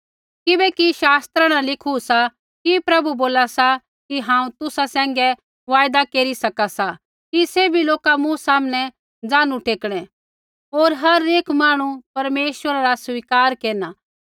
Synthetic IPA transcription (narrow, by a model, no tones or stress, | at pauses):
kɪbɛkiʃaːst̪ɾãɽ̃alɪkʰusa | kipɾɐbuboːlasa | kiɦãːũt̪ʊsasɛ̃ːŋɡɛ | ʋaːjd̪akeːɾisɐkasa | kisebʱiloːkamũsaːmnɛ | d͡zãːnũʈeːkɽ̃ɛ̃ | oːɾɦɐɾeːkmaːɽ̃ũpɐɾmeːʃwəɾaɾasʋiːkaːɾkeːna